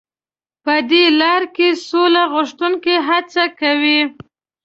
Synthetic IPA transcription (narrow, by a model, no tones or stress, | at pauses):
pəd̪elɑɾkesolaɣʊʂt̪uŋkeɦat͡sakawi